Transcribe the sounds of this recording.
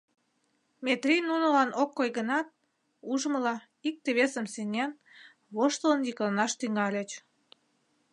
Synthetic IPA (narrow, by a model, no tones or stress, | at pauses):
met̪rʲijnunəlɑnokːojɣənɑt̪̚ | uʒəməlɑ | ik̚t̪eβesəmsenʲen | βoʃt̪ələ̆njiklɑnɑʃt̪yŋɑlʲet͡ɕ